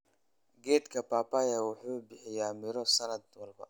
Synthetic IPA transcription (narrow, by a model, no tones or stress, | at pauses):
ɡɛːd̪kʰɐpaːpaːjɐwʊħuːbɪħɪjaːmɪɾɔsɐnɐd̪̚wɐlbɐ̰